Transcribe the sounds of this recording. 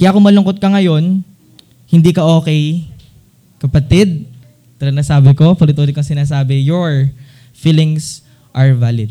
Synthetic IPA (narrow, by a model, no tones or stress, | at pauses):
kɐjaʔkomɐlʊŋkot̪̚kɐŋɐjo̞n | hɪnd̪iːkɐʔo̞ːkɛj | kɐpɐt̪ɪd̪̚ | t̪ɐɾɐnɐsaːbɪko̞pɐlɪt̪oːd̪ɪkoɐŋsɪnaːsaːbɛjoɹ | fiːlɪŋs | ʔɐɹvaːlɪd̪̚